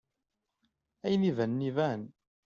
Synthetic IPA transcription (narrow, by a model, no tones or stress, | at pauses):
æjnivænːivæn